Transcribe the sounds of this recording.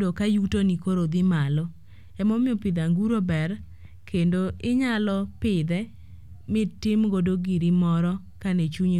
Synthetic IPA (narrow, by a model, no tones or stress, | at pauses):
dokajutonikoɾod̪ɪmalɔ | ɛmɔmɪɔpɪd̪aŋɡuɾobɛr | kʰendoɪɲalɔpɪd̪ɛ | mɪtɪmɡodoɡiɾimɔɾɔ | kanɛt͡ʃuɲ